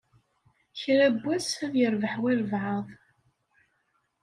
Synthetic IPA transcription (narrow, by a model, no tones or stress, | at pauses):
çɾæbːæsæðjəɾvəħwiɾvʕəðˤ